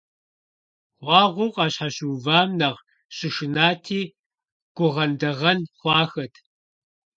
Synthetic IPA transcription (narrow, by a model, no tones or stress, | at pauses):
χʷɑːʁʷʊqʼɑːɕħaɕuvaːmnɐʁ | ɕʼɪʃɪnaːtʰiː | ɡ̥ʷʊʁɐndɐʁɐnχʷɑːxɐtʰ